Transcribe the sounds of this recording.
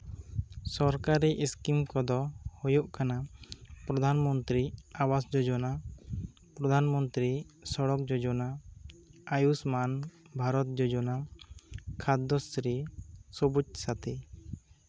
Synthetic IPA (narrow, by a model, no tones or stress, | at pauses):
sɔɾkaɾiʔiskimkɔd̪ɔhɔjɔʔkanapɾɔd̪ʱanmɔnt̪ɾiawasd͡ʒɔd͡ʒɔna | pɾɔd̪ʱanmɔnt̪ɾisɔɽɔk̚d͡ʒɔd͡ʒɔna | ajusman | bʱaɾɔt̪̚d͡ʒɔd͡ʒɔna | kʰad̪ːɔsɾisɔbut͡ʃ̚sat̪ʰɛ